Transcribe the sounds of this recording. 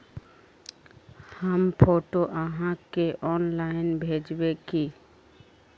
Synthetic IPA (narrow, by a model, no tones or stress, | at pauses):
həmpʰoːʈoʔəɦãkeʔɔːnlaːɪnbʱeːd͡ʒweki